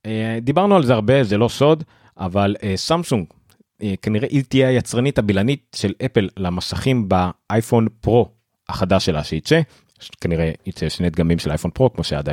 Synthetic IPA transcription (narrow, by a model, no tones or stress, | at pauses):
ed̪ibaʁnualzeaʁbe̞zelo̞so̞d̪ | ʔavalesamsuŋɡ | ekaniʁeʔit̪ieajat͡sʁanithabilanit̚ʃe̞lepelːamasaχimbaʔajfo̞npʁo̞ | aχad̪aʃela̰ʃeit͡se | kaniʁeit͡seʃnet̪̚ɡamimʃela̰jfo̞npʁo̞kmo̞ʃea̰d̪a